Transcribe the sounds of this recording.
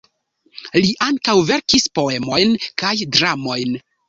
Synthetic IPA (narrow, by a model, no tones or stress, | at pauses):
liʔaŋkawve̞ɾkispo̞e̞mo̞jnkajdɾamo̞jn